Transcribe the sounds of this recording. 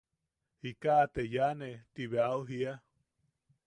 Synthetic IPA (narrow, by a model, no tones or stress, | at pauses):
hikaʔːt̪ejanet̪iβeauɦia